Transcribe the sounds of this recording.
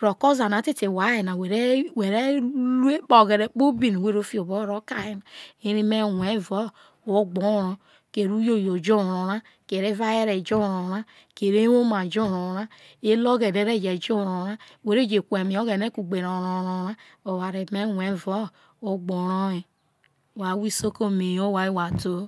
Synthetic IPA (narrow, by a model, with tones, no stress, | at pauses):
ɾo˨ko˦za˨na˨˦te˦te˨wa˨˦e˨na˨we˨ɾe˦we˨ɾe˦lu˦e˦k͡pɔ˨ɡe˨ɾe˨k͡po˦bi˦˨n˨we˦ɾo˦fi˦o˨bo˦ɾo˦ka˦˨je˨na˨e˦ɾi˦me˦we˦˨vɔ˦˨ | o˦ɡ͡bo˦ɾo˨ | ke˨ɾu˦jo˦˨jo˨d͡ʒo˦˨o˨ɾa˦ | ke˨ɾe˦va˦je˦ɾe˨d͡ʒo˦˨ɾo˨ɾa˦ | ke˨ɾe˦o˦ma˨d͡ʒo˦ɾo˨ɾa˦ | e˦lo˦ɡe˨ne˦ɾe˦˨d͡ʒe˨d͡ʒo˦˨ɾo˨ɾa˦ | we˨ɾe˦d͡ʒe˨kʷe˨mi˨o˦ɡe˨ne˦ku˨ɡ͡be˨ɾo˨ɾo˨ɾo˨ɾa˦o˨wa˨ɾe˨me˦wʷe˨˦˨vo˦ | o˦ɡ͡bo˨ɾo˦e˨ | wa˨˦wi˦so˦ko˦me˨jo˦wa˨i˦wa˨do˦